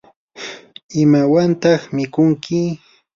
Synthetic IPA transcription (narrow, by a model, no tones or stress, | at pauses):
ɪmawant̪ɑχmɪkʊŋkɪ